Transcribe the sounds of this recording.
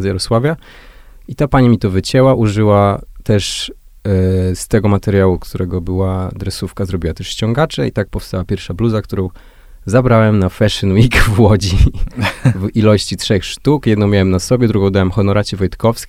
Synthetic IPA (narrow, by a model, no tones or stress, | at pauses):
zjɛɾɔswavʲja | it̪apaɲimʲit̪ɔvɘt͡ɕɛwaʔuʐɘwat̪ɛʂ | st̪ɛɡɔmat̪ɛɾjawukt̪uɾɛɡɔbɘwad̪ɾɛsufkazɾɔbʲiwat̪ɛʂɕt͡ɕɔŋɡat͡ʂɛit̪ak̚pɔfst̪awapʲjɛɾfʂabluzakt̪uɾɔ̃w̃ | zabɾawɛmnafɛʂɨnwikvwɔd͡ʑi | vilɔɕt͡ɕitʂɛxʂt̪ukjɛd̪nɔ̃w̃mʲawɛmnasɔbʲjɛd̪ɾuɡɔ̃w̃d̪awɛmxɔnɔɾʔat͡ɕɛvɔjt̪kɔfskʲ